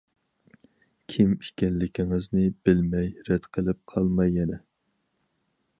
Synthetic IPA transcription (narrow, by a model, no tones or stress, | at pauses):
kʲʰimiʃkʲɛnlːɪkʲiŋɪznɪb̥ɪlmɛjɾɛd̪̥qʰəlˠɪp̚qʰɑlˠmɑjːɛnɛ